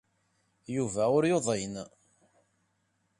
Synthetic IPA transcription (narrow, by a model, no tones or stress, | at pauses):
juvæʊɾjoðˤen